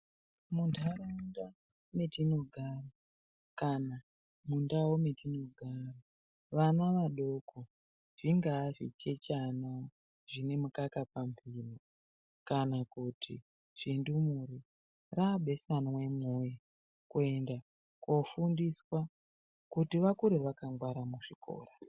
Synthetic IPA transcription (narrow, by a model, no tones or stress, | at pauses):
mundʰaromunda | metinoɡʱaːro | kana | mundawometinoɡʱaro | ʋanaʋaɗokʰo | ʐ̥iŋɡaːʐḭt͡ʃe̞t͡ʃanao | ʐinemukakapamviːno | kanakutʰḭ | ʐ̥indumuɾi | raɓe̞sanowe̞moja | kue̞nda | kwofundiswa | kutiʋakuɾeʋakaŋɡwaɾamuʐiko̰ːra